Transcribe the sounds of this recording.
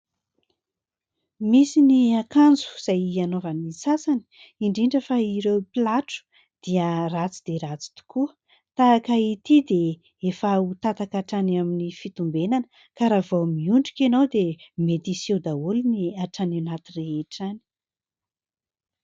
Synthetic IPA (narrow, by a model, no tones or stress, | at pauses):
misiniakand͡zu̥z̥ajianovanisasani̥ | iɳɖ͡ʐiɳɖ͡ʐəfaiɾewpilaʈ͡ʂu̥ | d̪̥iərat͡sid̪̥eɾat͡si̥t̪u̥kuə | t̪aakəit̪id̪e | efaut̪at̪akaʈ͡ʂanaminifit̪umbenanə | kaɾavomiuɳɖ͡ʐikʲenowd̪emet̪ised̪aulniaʈ͡ʂanenat̪ireeʈ͡ʂani̥